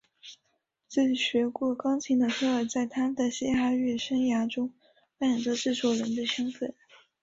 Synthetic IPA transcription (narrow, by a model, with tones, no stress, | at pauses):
t͡se˥˩ɕɥɛ˧˥kwɔ˥˩kɑ˥ŋt͡ɕʰi˧˥ŋd̪ə˧tʰɤ˥ə˥˧˩t͡sa˥˩ɪt̪ʰa˥mə˩d̪ə˨ɕɛ˥xa˥ɥɛ˥˩ʂə˥ŋja˧˥ʈ͡ʂʊ˥ŋ | pa˥˩t͡s̪ɤ˧˥ʈ͡ʂɻ̩˥˩ʂwɔ˥˩ɻə˧˥nd̪ə˧ɕɤ˥ŋfə˥˩n